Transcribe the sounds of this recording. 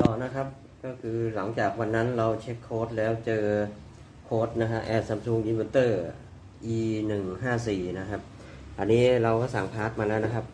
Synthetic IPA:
t̪ɔː˨˩na˦˥kʰa˦˥p̚ | kɔː˥˩kʰɯː˧la˩˦ŋt͡ɕaː˨˩k̚wa˧nːa˦˥nɾa˧wt͡ɕʰe˦˥kʰːoː˦˥t̪̚lɛː˦˥wt͡ɕɤː˧ | kʰoː˦˥t̪̚na˦˥kʰa˦˥pʔɛː˧˩t̪̚sa˧msuː˧ŋdiː˧me˧t̪ɤː˥˩ | ʔiː˧nɯ˨˩ŋɦaː˥˩siː˨˩na˦˥kʰa˦˥p̚ | ʔa˧nːiː˦˥ɾa˧wkɔː˥˩sa˨˩ŋpʰaː˦˥t̪̚maː˧lɛː˦˥wna˦˥kʰa˦˥p̚

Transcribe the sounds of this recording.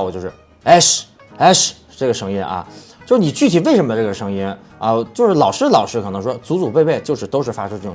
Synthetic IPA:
t͡ɕo˥˧ʊʂɻ̩˥˩ | ɛ˥˩ʂ | ɛ˥˩ʂ | ʈ͡ʂɤ˥˩ɡə˩ʂɤ˧˥ŋi˥nʔɐ̰˧t͡ɕjʂɻni˨˩t͡ɕy˥˩tʰi˨˥we˥˩ɪʂə˧˥nmə˧ʈ͡ʂɤ˥˩ɡə˩ʂɤ˧˥ŋi˥n | ɐ˧˩t͡ɕjo˥˧ʊʂɻ̩˥˩lɑ˨˩ʊʂɻ̩˥lɑ˨˩ʊʂɻ̩˥kʰɤ˨˩nɤ˧˥ŋʂ̬wɔ˥t͡su˧˥t͡su˨˩pe˥˧ɪpe˥˩ɪt͡ɕjo˥˧ʊʂɻ̩˥˩t̪o˥ʊʂɻ̩˥˩fa˥ʈ͡ʂʰu˥ʈ͡ʂɤ˥˩ʊ̰˨˩

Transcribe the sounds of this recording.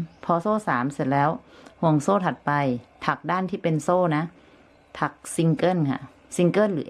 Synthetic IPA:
pʰɔː˧soː˥˨saː˩˦mse˧˩t̪̚lɛː˦˥˩whu˧˩əŋsoː˥˩t̪ʰa˧˩t̪̚pa˧jt̪ʰa˧˩k̚daː˧˥˩nt̪ʰiː˥˩pe˧˨nsoː˧˥˩na˦˧˥ | p̪ʰa˧˩k̚si˧ŋkɤː˧˥˩nkʰa̰˧˩ | si˧ŋkɤː˥˨nlɯː˨˦

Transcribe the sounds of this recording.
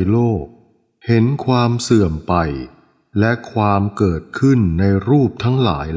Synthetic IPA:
jloː˥˩k̚ | he˨˩˦nkʰwaː˧msɯ˨˩əmpa˧j | lɛ˦˥kʰwaː˧mkɤː˨˩t̪̚kʰɯ˥˩nːa˧jɾuː˥˩p̚t̪ʰa˦˥ŋla̰ː˩˦j

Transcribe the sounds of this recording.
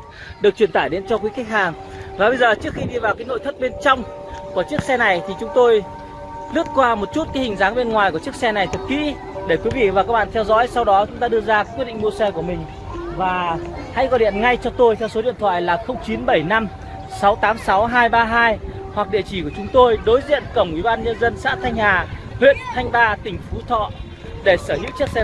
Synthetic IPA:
ɗɨ˨˩ək̚t͡ɕwi˧˩ənt̪aː˧˩jɗe˨˦nt͡ɕɔ˧kwi˨˦ka˦˥k̟̚haː˨˩ŋ | vaː˨˩ɓə˧jzəː˨˩t͡ɕɨ˦˥əkxi˧ɗi˧vaː˨˩wkaː˨˦jno̰˧˨jt̪ʰə˦˥t̚ɓe˧nt͡ɕɔ˧wŋ͡m | ku˧˩ət͡ɕɨ˦˥ək̚sɛ˧na˨˩jt̪ʰi˨˩t͡ɕʊ˨˦ŋ͡mt̪o˧j | lɨ˦˥ət̚kwaː˧mo˨˩t̚t͡ɕu˦˥t̚kaː˨˦hï˨˩ŋ̟zaː˨˦ŋɓe˧nŋwaː˨˩jku˧˩t͡ɕɨ˦˥ək̚sɛ˧na˨˩jt̪ʰɨ˨˩t̚kḭ˧˥ | ɗe˧˩kwi˨˦vḭ˧˨vaː˨˩kaː˦k̚ɓa̰ː˧˨nt̪ʰɛ˧wzɔ̰˧˥jsa˧wɗɔ˨˦t͡ɕʊ˨˦ŋ͡mt̪aː˧ɨ˧əzaː˧kkwi˦˥t̚ɗḭ˧˨ŋ̟mu˧əsɛ˧ku˧˩əmï˨˩ŋ̟ | vaː˨˩ | ha̰˧˥jɣɔ˨˧˩ɗḭ˧˨ənŋa˧jt͡ɕɔ˧t̪o˧jt̪ʰɛ˧wso˨˦ɗḭ˧˨ənt̪ʰwa̰ː˧˨jlaː˨˩xə˧wŋ͡mt͡ɕi˨˦nɓə˧˩jna˧m | sa˨˦wt̪aː˨˦msa˨˦wɦaː˧jɓaː˧ɦaː˧jhwa˨˩k̚ɗḭ˧˨ət͡ɕi˧˩ku˧˩ət͡ɕʊ˨˦ŋ͡mt̪o˧jɗo˨˦jzḭ˧˨ənkə˧˩wŋ͡mʔwi˧˩ɓaː˧nɲə˧nzə˧nsa̰ː˧˥t̪ʰa˧jŋ̟haː˨˩ | hwḭ˧˨ənt̪ʰa˧jŋ̟ɓaː˧t̪ï˨˩ŋ̟fu˨˦t̪ʰɔ̰˧˨ | ɗe˧˩səː˧˩hḭ˧˥wt͡ɕɨ˦˥ək̚sɛ˧

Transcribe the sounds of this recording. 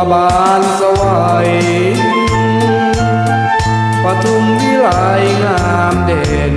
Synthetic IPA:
baː˧ | nsa˧wa˧˩ | j | pa˧t̪ʰu˧ŋmi˧˩la˨˧˦jŋaː˧ | mdɛː˩n

